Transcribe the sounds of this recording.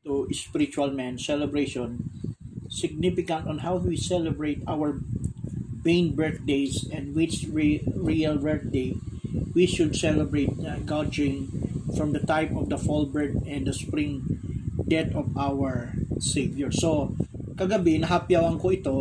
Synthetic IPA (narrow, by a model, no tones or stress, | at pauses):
t̪uʔɪspɪɾɪt͡ʃuɐlmɛ̃nsɛlɛbɹejʃɔ̃n | sɪɡ̚nifɪkɐ̃nt̪ɔnɦawwisɛlɛbɹejt̪awɐɹ | bẽjnbɛɹk̚d̪ejsɛ̃nd̪wɪt͡ʃɹiɹiɐlbɛɹk̚d̪ejwiʃʊd̪sɛlɛbɹejt̪̚ɡad͡ʒɪ̃ŋfɹɔ̃md̪ɐt̪ajpɔfd̪ɐfɔlbɛɹt̪ɛ̃nd̪ɐspɹĩŋ | d̪ɛt̪ɔvʔawɛɹsejvjɔɹso | kɐɡɐbɪnɐɦapjawɐŋkoɪt̪o